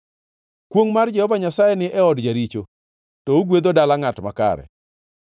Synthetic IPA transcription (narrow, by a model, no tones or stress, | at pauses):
kwoŋmard͡ʒɛhɔvaɲasajɛnɪʔɛɔdd͡ʒaɾit͡ʃo | tɔuɡwed̪odalaŋatmaka̰ɾɛ̰